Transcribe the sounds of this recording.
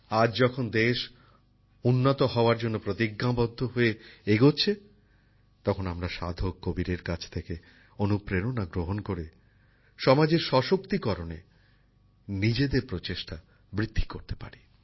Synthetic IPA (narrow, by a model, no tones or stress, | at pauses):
ad͡ʑd͡ʑɔkʰond̪eʃ | unːot̪oɦɔoaɾd͡ʑonːopɾot̪iɡːabɔd̪ʱːoɦoeeɡot͡ɕʰe | t̪ɔkʰonamɾaʃa̰d̪ʱokkːobiɾeɾkat͡ɕʰt̪ʰeke | onupɾeɾonaɡɾoɦonkoɾe | ʃɔmad͡ʑeɾʃɔʃokt̪ikɔɾonḛ | nid͡ʑed̪eɾpɾot͡ɕeʃʈa | bɾid̪ʱːi̥koɾt̪e̥pa̰ɾi